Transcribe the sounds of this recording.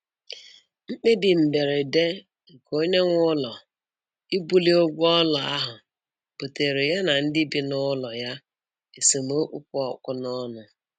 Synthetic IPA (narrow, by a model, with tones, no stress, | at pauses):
ŋ͡m̩˦k͡pe˦dɪ˨m̩˨de˨ɾe˨de˦ | ŋ̩˨ko˦ɲe˦ŋʷʊ˦lɔ˨ | i˦bu˦li˦o˦ɡʷʊ˦ɔ˦lɔ˨a̰˦ɦʊ˨ | po˨te˨ɾe˨ja˦na˨n̩˦dɪ˦bi˨nʊ˦lɔ˨ja˦ | e˨se˨m˨˦o˦ʔu˦k̚ʷʊ˦ɔ˨kʷʊ˦nɔ˦nʊ˨